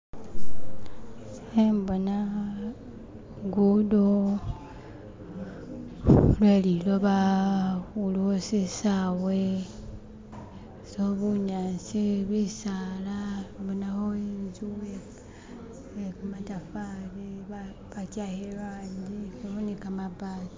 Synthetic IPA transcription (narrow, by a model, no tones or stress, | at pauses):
embona | ɡudo | lweliloβa | uluosisaːwwe | soβuɲaːnsiβisaːlabunahoinzue | ekmatafali | βatjahelandikuβonikamabati